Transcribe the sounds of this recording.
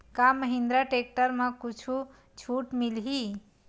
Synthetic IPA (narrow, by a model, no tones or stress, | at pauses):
kaməɦind̪ɾaʈek̚ʈəɾmãkut͡ʃʰu | t͡ʃʰuʈmilɦi